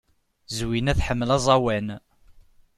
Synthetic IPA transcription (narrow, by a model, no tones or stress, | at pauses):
zwinæθħəmːəlɑzˤɑwæn